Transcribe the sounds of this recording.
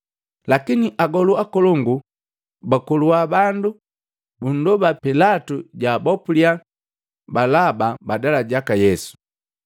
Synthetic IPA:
lakiniʔaɡɔluakɔlɔŋɡu | bakuluwabandu | bun̩dɔbapilatuɟabɔpulia | balababadalaɟakajɛsu̥

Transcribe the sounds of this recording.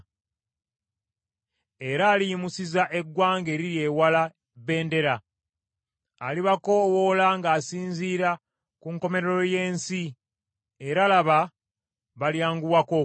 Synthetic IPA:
e̞ɾaːliimusizaʔe̞ɡːwaːŋɡe̞ɾiɾje̞ːwala | βe̞ːnde̞ɾa | liβako̞wolaŋɡaːsiːnziːɾa | kuŋko̞me̞ɾeɾo̞je̞ːnsi | e̞ɾalaβa | βaljaːŋɡuwako

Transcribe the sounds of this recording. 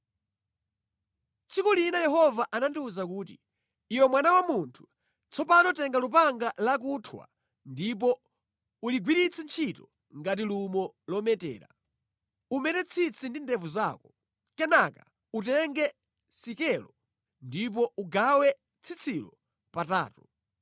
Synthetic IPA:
t͡sʰikulinajɛɦɔvaʔanantuzak̬uːtḭː | wɛmwanawamuntʰu̥ | t͡sʰɔpanɔtɛŋɡalup̬aŋɡalak̬utʰwa̰ | ndip̬ɔ | uliɡwiɾit͡sʰɛnt͡ʃʰitɔ | ŋɡat̬ilumɔlɔmɛtɛ̰ːɾa̰ | umɛtɛt͡sʰit͡sʰindindɛvuzaːkɔ | kɛnaka | utɛŋɡɛ | sikɛlɔ | ndip̬ɔʔuɡawɛ | t͡sʰit͡sʰilɔ | pata̰ːtu̥

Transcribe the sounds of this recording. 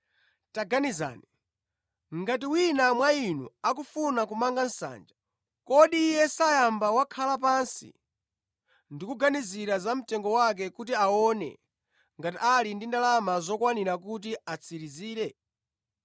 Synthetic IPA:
taɡaniza̰ːni | ŋɡat̬iwinamwainṵak̬ufunakumaŋɡan̩sa̰ːnd͡ʒa | kɔɗiːjɛsajambawakʰalap̬ansḭ | ndikuɡaniziɾazam̩tɛŋɡɔwak̬ɛkutiaɔːnɛ̰ | ŋɡatialindindalamazɔkwaniɾak̬ut̬iat͡sʰiɾiziːɾɛ

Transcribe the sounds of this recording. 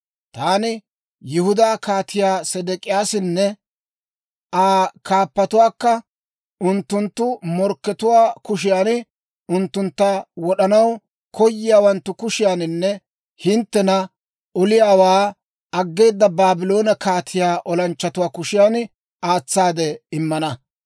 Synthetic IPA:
t̪aːnɪ | jɪhʊd̪aːkaːt̪ʰɪjaːsɛd̪ɛkʼɪjaːsɪnːɛ | ʔaːkaːpːɐt̪ʊwaːkːɐ | ʔʊnt̪ːʊnt̪ːʊmɔɾkːɛt̪ʊwaːkʊʃ̬ɪjaːnɪ | ʊnt̪ːʊnt̪ːawɔɗɐnɐw | kʰɔjːɪjaːwɐnt̪ːʊkʊʃɪjaːnɪnːɛ | hɪnt̪ːɛnɐ | ʔɔlɪjaːwaː | ɐɡːe̞ːd̪ːɐbaːbɪlo̞ːnɐkaːt̪ʰɪjaːʔɔlɐnt͡ʃːɐt̪ʊwaːkʊʃɪjaːn | aːt͡sːaːd̪ɛɪmːɐnɐ

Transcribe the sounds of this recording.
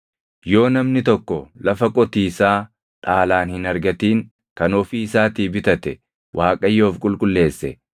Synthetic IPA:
jo̞ːnɐmnɪt̪ɔkːɔlɐfɐkʼɔt̪iːsaː | t̪ʼaːlaːnhɪnɐɾɡɐt̪iːŋ | kɐnɔfiɪsaːt̪iːbɪt̪ɐt̪ɛ | wʔaːkʼɐjoːfkʼʊlkʼʊlːe̞ːsːɛ

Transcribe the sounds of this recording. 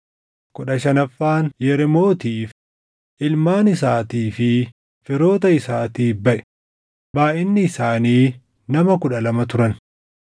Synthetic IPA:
kʊɗɐʃɐnɐfːaːnjɛɾɛmo̞ːt̪iːf | ʔɪlmaːnɪsaːt̪iːfɪ | fɪɾo̞ːt̪ɐɪsaːt̪iːbɐʔɛ̥ | baːʔɪnːɪːsaːniː | nɐmɐkʊᶑɐlɐmɐt̪ʊɾɐn

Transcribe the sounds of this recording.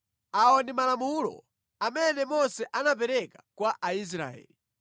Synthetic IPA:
aɔndimalamulɔ̰ | amɛnɛmɔsɛʔanap̬ɛɾɛkḁkwaʔais̬ɾa̰ɛ̰ːli

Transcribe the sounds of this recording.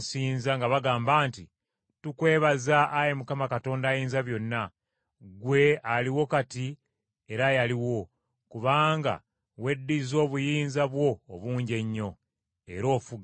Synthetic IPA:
siːnzaŋɡaβaɡaːmbaːnti | tukwe̞ːβazaʔːje̞mukamakato̞ːndaːjiːnzaβjo̞nːa | ɡwe̞aliwo̞kati | e̞ɾajaliwo̞ | kuβaːŋɡa̰ | we̞dːizo̞ːβujiːnzaβwo̞ːβuːɲɟe̞ɲːo̞ | e̞ɾo̞ːfuɡa

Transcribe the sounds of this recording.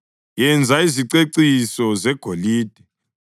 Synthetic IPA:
jɛnd͡zʱaiziǀeǀisɔzɛɡ̥ʱoliːd̥ʱɛ

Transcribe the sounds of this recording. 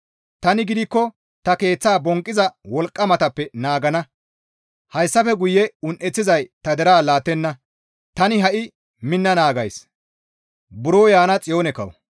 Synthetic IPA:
t̪ɐnɪɡɪd̪ɪkːɔ | t̪ɐke̞ːt͡sːaːbɔŋkʼːɪzɐwɔlkʼːɐmɐt̪ɐpːɛnaːɡɐnɐ | hɐjsːɐfɛɡʊjːɛʊnʔɛt͡sːɪzɐjt̪ɐd̪ɛɾaːlaːt̪ːɛnːɐ | t̪ɐnɪɦɐʔɪ | mɪnːɐnaːɡɐjs | bʊɾoːjaːnɐt͡sʼɪjo̞ːnɛkɐ̰w̰

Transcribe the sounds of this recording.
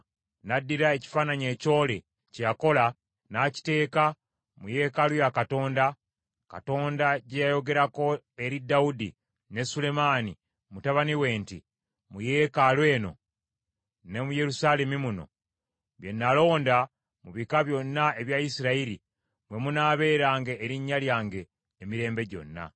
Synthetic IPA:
nadːiɾae̞ci̥faːnaɲe̞ːco̞ːle̞ | cejako̞la | naci̥te̞ːka | muje̞ːkalwjakato̞ːnda | ka̰to̞ːndaɟejajo̞ɡe̞ɾako̞ | e̞ɾidaudi | ne̞sule̞maːni | mutaβaniwe̞ːnti | muje̞ːkalwe̞ːno̞̰ | ne̞muje̞ɾusaːle̞mimuno̞̰ | βje̞nːalo̞ːnda | muβikaβjo̞nːae̞βjaisiɾaiɾi | mwe̞munaːβe̞ːɾaːŋɡe̞ʔːɾiɲːaljaːŋɡe̞ː | miɾe̞ːmbe̞ɟo̞̰nːa̰

